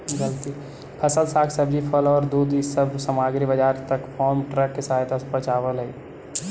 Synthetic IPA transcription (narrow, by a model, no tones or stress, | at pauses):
ɡɐlt̪i | pʰɐsəlsaːkʰsəbd͡ʒipʰəlɔːɾd̪uːd̪səbsəmaːɡɾibəd͡ʒaːɾt̪ɐkpʰɔːɾmʈɾɛkɦɪsaːjd̪aspət͡ʃaːʋəlɦɛi